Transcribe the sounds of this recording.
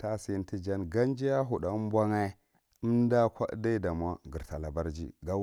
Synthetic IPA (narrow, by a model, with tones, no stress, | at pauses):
ta˦si˨˦nti˦d͡ʒa˦nɡa˦n˦d͡ʒi˦ja˦ɦu˨ɗa˨˦m˦bʷa˦ŋa˦i˦ | i˦m˦da˦kʷa˦da˦da˨mʷ˨a˦ɡi˨ɾta˨la˨ba˦ɾd͡ʒḭ˦ɡa˦